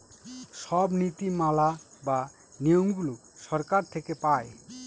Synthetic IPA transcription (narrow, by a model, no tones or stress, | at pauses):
ʃɔbnit̪imalaba | nijoŋɡulo | ʃɔɾkaɾt̪ʰekepaj